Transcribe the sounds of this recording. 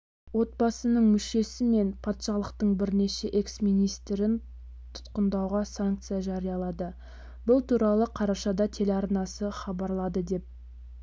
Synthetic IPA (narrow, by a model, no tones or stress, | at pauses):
wo̞t̪̚bɑsənəɴmʏʃe̞sɪme̞npʰɑt̪ʃɑlˠəqt̪əɴbɪɾne̞ʃe̞ʔe̞ksmijnijst̪ɾɪn | t̪ʰʊ̥t̪qənd̪ɑwʁɑsaŋk̚t̪sɨjaʒɑɾijɑlˠɑd̪ə | bʊlˠt̪ʰuɾɑlˠəqʰɑɾɑʃɑd̪ɑt̪ʰe̞leɑɾnɑsəχɑbɑɾlˠɑd̪əd̪e̞p̚